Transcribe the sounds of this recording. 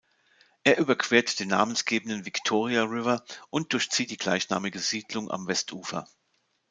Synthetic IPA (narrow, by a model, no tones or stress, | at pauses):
ʔeːɐʔyːbɐkv̥eːɐtd̥eːnːa̰ːmənsɡ̥eːbən̩dənvɪktʰoːʁ̞iaʁɪvɐʔʊnt̚d̥ʊɐçt͡siːt̚d̥iːɡla̰ɪçna̰ːmɪɡəziːdlʊŋʔa̰mvɛstʰʔuːfɐ̰